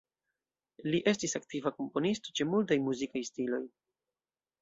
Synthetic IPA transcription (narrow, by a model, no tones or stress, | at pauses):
liʔe̞stisaktivako̞mpo̞nisto̞̥t͡ʃe̞mult̬ajmuzikajstilo̞j